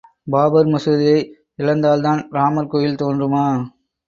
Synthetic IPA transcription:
baːbɐɾmɐsɐðɪjɐɪ | ɪlɐnd̪aːlt̪aːnɾaːmɐɾkoːjɪlt̪oːndrɯmaː

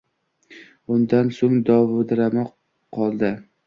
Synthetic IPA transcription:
ʊnd̪ansoŋd̪ɒvd̪ɪɾama | qʰɒlˠd̪ɪ

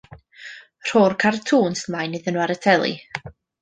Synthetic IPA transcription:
r̥oːrkʰartʰuːnsmajnɨðənwaɾətʰɛlˠḭ

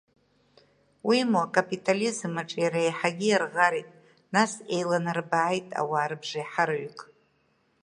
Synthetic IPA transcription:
wimuakʼapʼitʼalizɨmaʈ͡ʂʼjaɾaejħaɡʲijarʁaɾitʼ | nasejlanarbaʕːjtʼa̰waːɾɨbʐajħaɾaɥkʼ

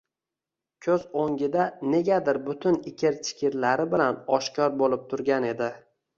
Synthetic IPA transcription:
kʲʰɵzoŋɡʲɪd̪ane̞ɡʲad̪ɪɾbʊt̪ʰʊnɪkʲʰɪɾt͡ʃʰɪ̥kʲʰɪɾlaɾɪbɪlanɒʃkʲɒɾbolɪp̚t̪ʰʊɾɡʲane̞d̪ɪ

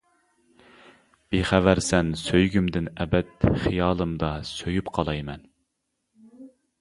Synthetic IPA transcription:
b̥eχævæɾsɛnsøjɡʲymd̪ɪnɛbɛt̪χijɑːlˠɨmd̪ɑsøjypqʰɑlˠɑjmɛn

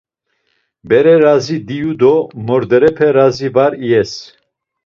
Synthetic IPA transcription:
bɛɾɛɾazid̪ijud̪ɔmɔɾd̪ɛɾɛpʰɛɾazibaɾiɛs

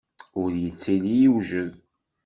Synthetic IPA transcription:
ʊɾjət͡sːilijiwʒəð

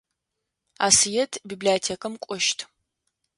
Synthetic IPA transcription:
a̰sijɛtʰbiːbliatʰeːkʼɐmkʷʼɔʃtʰ

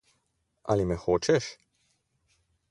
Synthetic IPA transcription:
a̰limɛxoːt͡ʃɛʃ

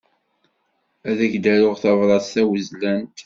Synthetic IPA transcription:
æðæçd̪æɾʊʁθɑvɾˤɑsθæwəzlænt̪

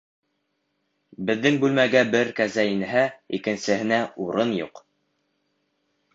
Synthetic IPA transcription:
bɘ̆ðːɘŋbʉlmæɡæbɘɾkæzæinɘɦæikɘ̆nsɘ̆hɘ̆næuɾɤnjuq

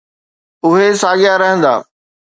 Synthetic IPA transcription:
ʊɦesaːɠɪjaɾɐɦə̃nd̪a̰ː

